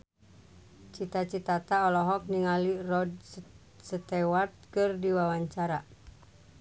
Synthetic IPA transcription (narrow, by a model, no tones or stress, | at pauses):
t͡ʃit̪at͡ʃit̪at̪aɔlɔɦɔk̚niŋalirɔd | sət̪ɛwart̪̚kɨrdiwawaɲt͡ʃaɾa